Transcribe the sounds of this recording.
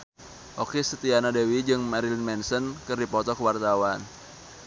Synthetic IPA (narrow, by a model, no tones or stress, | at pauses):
ʔokisət̪ianadewid͡ʒɨŋmaɾilinmɛnsənkɨrdipɔt̪ɔkəwart̪awan